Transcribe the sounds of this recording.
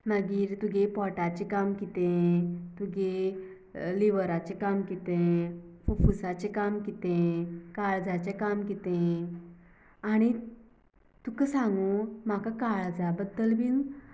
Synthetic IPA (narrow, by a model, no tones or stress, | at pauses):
məɡiːɾt̪uɡepɔʈat͡ɕekamkit̪ẽt̪uɡe | liʋəɾat͡ɕekamkit̪ẽfufusat͡ɕekamkit̪ẽkaɭd͡zat͡ɕekamkit̪ẽ | aɽ̃i | t̪ukəsãŋɡum̤akakaɭd͡zabəd̪ːəlbʱiːn